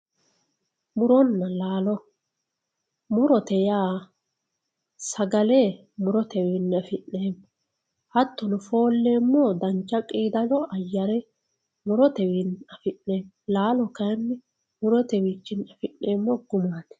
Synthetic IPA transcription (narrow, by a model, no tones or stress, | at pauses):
mʊɾɔnːɐlaːlɔ | mʊɾɔt̪ɛjaː | sɐɡɐleː | mʊɾɔt̪ɛwinːɛɐfɪnːeːmːɔ | hɐt̪ːɔnʊfo̞ːlːe̞ːmːɔd̪ɐnt͡ʃːɐkʼiːd̪ɐlɔʔɐjːɐɾɛ | mʊɾɔt̪ɛwinːɐfɪnːeːm | laːlɔkɐjnːɛ | mʊɾɔt̪ɛwiːt͡ʃːɪnːɐfɪnːe̞ːmːɔɡʊmaːd̪ɛ̥